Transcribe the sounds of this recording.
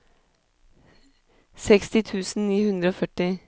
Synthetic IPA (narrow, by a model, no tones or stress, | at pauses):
sɛkst̪ɪt̪ʰʉːsn̩niːhʉnd̪ɾəoːfœʈɪ